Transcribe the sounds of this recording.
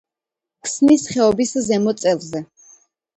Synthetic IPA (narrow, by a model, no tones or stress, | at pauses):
kʰsnisχɛɔbiszɛmɔt̪sʼɛlˠzɛ